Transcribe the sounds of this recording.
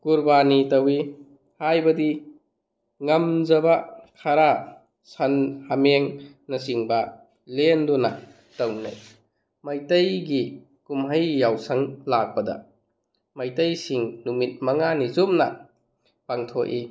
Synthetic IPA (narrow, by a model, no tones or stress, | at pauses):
kuɾbanitɐwi | hajbɐdi | ŋɐmzɐbakʰaɾa | sɐnhameŋ | nɐsiŋbɐ | lenduna | tɐwna̰j | majtɐjɡi | kumɦajːawsɐŋlak̚bɐdɐ̰ | majtɐjsiŋnumit̚mɐŋanizumnɐ̰ | paŋtʰoʔi